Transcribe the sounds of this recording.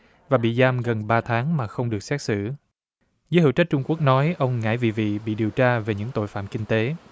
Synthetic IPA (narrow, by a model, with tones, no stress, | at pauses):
vaː˨˩ɓḭ˧˨zaː˧mɣə˨˩nɓaː˧t̪ʰaː˨˦ŋmaː˨˩xə˧wŋ͡mɗɨ˨˩ək̚sɛ˦˥t̚sɨ̰˧˩˨ | zəː˨˦jhə̰˧˩˨wt͡ɕə˦˥t̚t͡ɕʊ˧ŋ͡mku˦˥ək̚nɔ˨˦jʔə˧wŋ͡mŋa̰ː˧˥jvḭ˧˨vḭ˧˨ɓḭ˧˨ɗi˨˩wt͡ɕaː˧ve˨˩ɲɨ̰˧˥ŋt̪o̰˧˨jfa̰ː˧˨mkï˧ŋ̟t̪e˨˦